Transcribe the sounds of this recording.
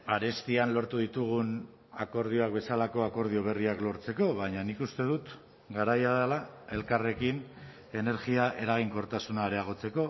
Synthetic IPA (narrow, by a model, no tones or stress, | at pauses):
aɾe̞st̪ianlo̞ɾt̪uðit̪uɣ̞un | ako̞ɾð̞io̞akbe̞salako̞ako̞ɾð̞io̞β̞e̞riaklo̞ɾt͡se̞ko̞βajɲanikust̪e̞ðut̪ | ɡaɾajaðelae̞lkare̞kin | e̞ne̞ɾɣiaʔe̞ɾaɣ̞iŋko̞ɾt̪asunaɾe̞aɣ̞o̞t͡se̞ko̞